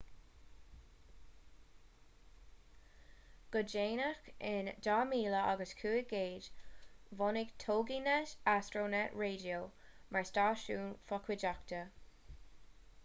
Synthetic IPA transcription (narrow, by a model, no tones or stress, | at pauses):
ɡ̥ʊd͡ʒeːnəxɪnd̥aːmiːləʔa̰ɡəskʰuːɪɡ̥eːd͡ʒvɔnɪɡtʰoːɡinɛʃastɹoːnɛʔɹeːdioːmʔaɹstaːʃuːnfɔkʰwɪd͡ʒaktə